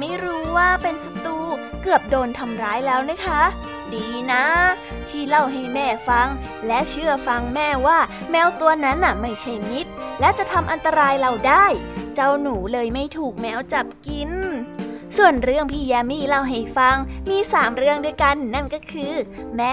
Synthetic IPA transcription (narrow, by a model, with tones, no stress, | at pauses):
ma˥˩jɾuː˦˥waː˥˩pe˧nsa˧t̪uː˧kɯ˨˩əp̚doː˧nt̪ʰa˧mɾaː˦˥jlɛː˦˥wna˦˥kʰa˦˥ | diː˧na˦˥ | t̪ʰiː˥˩la˧˩wɦa˧˩jmɛː˥˩fa˧ŋ | lɛ˦˥ʔt͡ɕʰɯ˥˩ɐfa˧ŋmɛː˥˩waː˥˩mɛː˦˥wt̪u˧ɐna˦˥nʔa˨˩ma˥˩jt͡ɕʰa˥˩jmi˦˥t̪̚lɛ˦˥t͡ɕa˨˩t̪ʰa˧mʔa˧nt̪a˧ɾaː˧jɾa˧˩wdaː˥˩jt͡ɕa˧wnuː˩˦lɤː˧jma˥˩jt̪ʰuː˨˩k̚mɛː˦˥wt͡ɕa˨˩p̚ki˧n | su˨˩ənɾɯ˥˩əŋpʰiː˧˥˩jɛː˧miː˥˩la˧˩wɦa˨˩jfa˧ŋmiː˧saː˩˦mɾɯ˥˩əŋdu˧əjka˧nːa˥˩nkɔː˥˩kʰɯː˧ | mɛː˦˥